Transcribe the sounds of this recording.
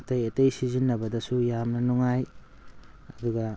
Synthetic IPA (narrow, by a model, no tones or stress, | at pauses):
tɐjetɐjsizinːɐbɐdɐsujamnɐnuŋaj | ɐduɡɐ